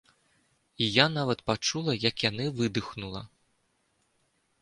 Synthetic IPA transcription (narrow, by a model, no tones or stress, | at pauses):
ijanavɐt̪pat͡ʂulˠɐjɐkjanɨvɨd̪ɨxnulˠɐ̰